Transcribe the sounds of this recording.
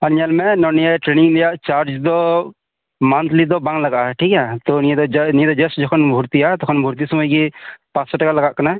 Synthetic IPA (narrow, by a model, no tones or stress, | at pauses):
ɐɾɲalmɛnɔnijɛʈɾeniŋlɛjaʔt͡ʃaɾd͡ʒd̪ɔ | mant̪lid̪ɔbaŋlaɡaʔʈʰikat̪ɔnijed̪ɔnijed̪ɔd͡ʒɛsd͡ʒɔkʰɔnbʱuɾt̪iat̪ɔkʰɔnbʱuɾt̪̬isɔməjɡipãt͡ʃsɔʈakalɐɡaʔkəna